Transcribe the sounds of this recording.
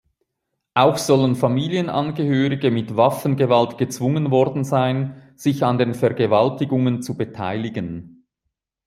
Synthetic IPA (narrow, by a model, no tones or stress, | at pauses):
ʔaʊxz̥ɔlənfamiːljənʔa̰nɡəhøːʁɪɡəmɪtvafn̩ɡəvaltɡ̥ət͡sv̥ʊŋənvɔʁdn̩zaɪn | z̥ɪçɑndeːnfɛɐɡəvaltɪɡʊŋənt͡subətʰa̰ɪlɪɡən